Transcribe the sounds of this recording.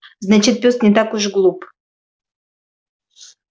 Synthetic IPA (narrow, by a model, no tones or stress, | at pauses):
znat͡ɕɪt̪̚pʲost̪nʲɪt̪akʊʐɡlˠup